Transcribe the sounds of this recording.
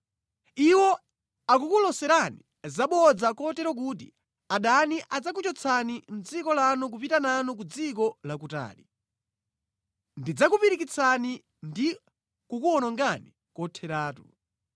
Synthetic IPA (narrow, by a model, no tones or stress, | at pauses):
iwɔ | ak̬ukulɔsɛɾani | zaɓɔd͡zakɔtɛɾɔk̬uːt̬ḭ | aɗaniʔad͡zak̬ut͡ʃɔt͡sʰanin̩d͡zikɔlanɔk̬upitananɔk̬ud͡zik̬ɔlak̬uta̰ːli | ndid͡zakupiɾikit͡sʰani | ndi | kukuɔnɔŋɡani | kɔtʰɛɾaːtu̥̰